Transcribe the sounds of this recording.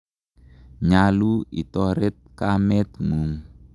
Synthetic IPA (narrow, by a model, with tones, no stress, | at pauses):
ɲa˨lu˦i˨tɔ˦ɾe˦t̪̚ka˦mɛ˦t̪mu˨m